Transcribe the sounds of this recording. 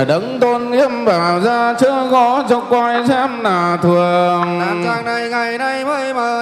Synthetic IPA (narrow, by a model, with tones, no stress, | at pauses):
ɗə˨˦ŋt̪o˧nʔi˧˥əmɓaː˨˩wzaː˧t͡ɕɨ˧˥əɣɔ˧˦t͡ɕɔ˧ŋ͡mkwaː˧jzaː˧˥mnaː˨˩t̪ʰɨ˨˩əŋ˧a˨˩jŋa˨˩jna˧j